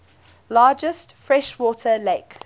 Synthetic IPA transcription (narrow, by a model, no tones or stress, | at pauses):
lɑːd͡ʒəstfɹɛʃwɔːˑtʰəleɪk